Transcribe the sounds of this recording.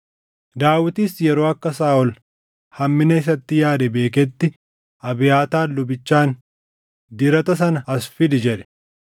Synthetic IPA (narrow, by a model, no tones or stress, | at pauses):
d̪aːwɪt̪iːsjɛɾoːɐkːɐsaːʔɔl | hɐmːɪnɐɪs̬ɐt̪ːɪjaːd̪ɛbe̞ːkɛt̪ːɪ | ʔɐbɪjaːt̪aːlːʊbɪt͡ʃːaːn | d̪ɪɾɐt̪ɐs̬ɐnɐɐsfɪd̪ɪd͡ʒɛᶑɛ̥